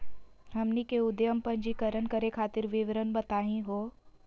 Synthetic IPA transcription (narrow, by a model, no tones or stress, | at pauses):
ɦɐmnikeʊd̪jəmpə̃ɲd͡ʒikəɾənkəɾekʰaːt̪ɪɾʋɪʋɾənbət̪aːɦĩɦoː